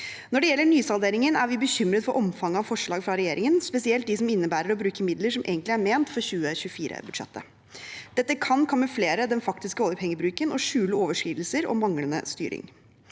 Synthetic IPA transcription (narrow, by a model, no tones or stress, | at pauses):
nɔɖɛjɛlːəɳyːsɑlˠd̪eːɾɪŋənæɾʋɪbəçʏmɾət̪fɔɾʔɔmfɑŋɑʋfɔʂɭɑːɡfɾɑɾɛjeːɾɪŋənspɛsɪɛlt̪d̪ɪsɔmɪnːəbæːɾəɾɔbɾʉːkəmɪd̪ləʂɔmʔḛːɡənt̪lɪæɾmeːnt̪fɔɾçʉːəçʉəfiːɾə̰bʉd̪ʂɛ̰t̪ʰːə̰ | d̪̥ɛt̪ːəkʰɑnkʰɔmːəfleːɾəd̪ɛnfɑkt̪ɪskəoːd̪əɾphɛŋːəbɾʉːkənɔʂʉːləoːʋəʂkiːd̪l̩səɾɔ̰mɑŋlənə̰st̪y̰ːɾɪ̰ŋ